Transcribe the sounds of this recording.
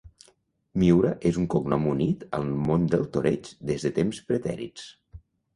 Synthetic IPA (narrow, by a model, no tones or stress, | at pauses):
miwɾəʔezuŋkoknɔmunit̪ə̰lˠmond̪əlˠt̪oɾet͡ʃd̪ezðət̪emspɾət̪ɛ̰ɾḭt͡s